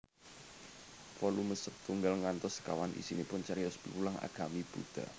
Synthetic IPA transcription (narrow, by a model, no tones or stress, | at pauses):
fɔluməsək̚t̪uŋɡalŋant̪ʊska̰wanʔḭsinipʊnt͡ʃaɾiɔspipulaŋa̰ɡ̥a̤mib̥ud̪̥a̰